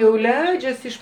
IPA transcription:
jɛʊ ˈlʲɛɪd͡ʒʲɛs ɪʃ

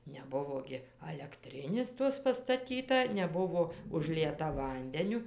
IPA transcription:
nʲɛˈbʊʋoː ɡʲɪ ɐlʲɛkˈtʲrʲɪnʲeːs ˈtoːs pɐstɐˈtʲiːtɐ nʲɛˈbʊʋoː ʊʒʲˈlʲiɛtɐ ˈʋɐnʲdʲɛnʲʊ

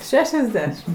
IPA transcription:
ˈʃʲæːʃʲɛzʲˌdʲæːʃʲɪm

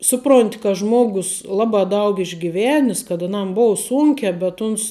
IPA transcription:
ˈsʊˌproːnʲtʲɪ kɐ ˈʒmoːɡʊs ˈlˠɑːbɑː ˈdɐʊk ɪʒʲɡʲɪˈʋʲæːnʲɪs kɐt ɐˈnɐm ˈboːʊ ˈsuːŋʲkʲɛː bʲɛt ˈʊns

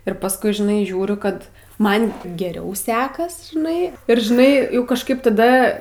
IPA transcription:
ɪr pɐsˈkʊɪ ʒʲɪˈnɐɪ ˈʒʲuːrʲʊ ˈkɐt ˈmɐn ɡʲɛˈrʲɛʊ ˈsʲæːkɐs ʒʲɪˈnɐɪ ɪr ʒʲɪˈnɐɪ kɐʃˈkɐɪp tɐˈdɐ

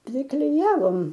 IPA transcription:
pʲrʲɪˈklʲɪjɛʋoːm

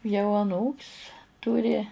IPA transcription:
jɛʊ ɐˈnuːkʲsʲ ˈtʊrʲɪ

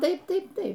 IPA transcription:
ˈtɐɪp ˈtɐɪp ˈtɐɪp

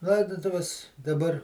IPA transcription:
ˈlˠɐɪdʊtʊʋʲɛs dɐˈbɐr

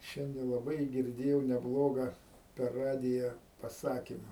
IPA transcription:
ˈʃʲɛnʲdʲɛ lˠɐˈbɐɪ ɡʲɪrʲˈdʲeːjɛʊ nʲɛˈblˠoːɡɐ pʲɛr ˈrɑːdʲɪjɛ pɐˈsɑːkʲɪmɐ

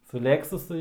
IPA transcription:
sʊ ˈlʲeːksʊsʊ

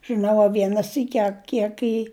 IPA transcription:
ʒɨˈnɐʊ ɐ ˈʋʲiɛnɐ ˈsʲiːkʲɪ ɐ ˈkʲiɛk ɪ

